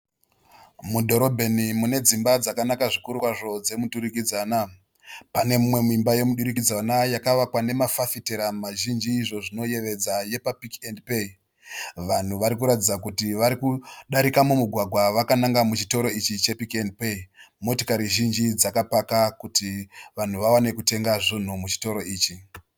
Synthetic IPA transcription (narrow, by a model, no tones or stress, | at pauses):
mudʱo̞ɾo̞bʱe̞nimune̞d͡zimbad͡zakanakaʐikuɾukwaʐo̞d͡ze̞mutuɾikid͡zana | pane̞mumwe̞muimbaje̞muɗuɾikid͡zanajakaʋakwane̞mafafiteɾamaʒind͡ʒiːʐo̞ʐino̞je̞ʋe̞d͡zaje̞papikendpei | ʋan̤uʋaɾikuɾatid͡zakutiʋaɾikuɗaɾikamumuɡʱwaɡʱwaʋakanaŋɡamut͡ʃito̞ɾo̞it͡ʃit͡ʃe̞pikend̚peimo̞tokaɾiʒind͡ʒid͡zakapakakutiʋan̤uʋawane̞kute̞ŋɡaʐin̤umut͡ʃi̥to̞ɾo̞iːt͡ʃi